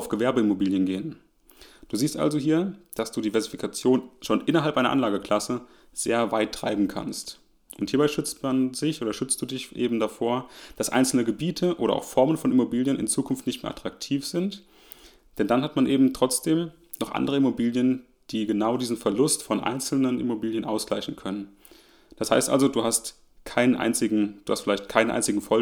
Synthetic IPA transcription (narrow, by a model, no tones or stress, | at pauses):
aʊfɡ̥əvɛɐbəɪmobiːljənɡeːən | d̥uːziːstʔa̰lzoɦiːɐd̥asd̥uːdiːvɛɐzifikʰat͡sjoːnʃoːnʔɪnɐɦalpʔaɪnɐ̰ʔanlaːɡəkl̥asə | z̥ḛːɐvaɪtʰːʁ̥a̰ɪbm̩kʰa̰nst | ʔʊnthiːɐbaɪʃʏt͡stmanzɪçʔoːdɐʃʏt͡st̚d̥uːdɪçʔḛːbm̩dafoːɐd̥asʔa̰ɪnt͡sl̩nəɡəbiːtʰəʔoːɾɐ̰ʔa̰ʊxfɔɐmənfɔnɪmobiːljənɪ̰nt͡suːkʰʊnftnɪçtmeːɐʔa̰tʁ̥ak̚tʰiːfz̥ɪnt | d̥ɛndanhatmanʔeːbm̩tʁ̥ɔt͡sd̥eːm | nɔχʔa̰ndəʁ̞əɪmobiːljən | d̥iːɡənaʊdiːzn̩fɛɐlʊstfɔnʔa̰ɪnt͡sl̩nənʔɪ̰mobiːljənʔa̰ʊsɡ̥laɪçn̩kʰœnən | d̥asha̰ɪstʔa̰lzoduːhast | kʰaɪnənʔa̰ɪnt͡sɪɡŋ̩d̥uːhastfɪlaɪçtkʰaɪnəʔa̰ɪnt͡sɪɡŋ̩fɔ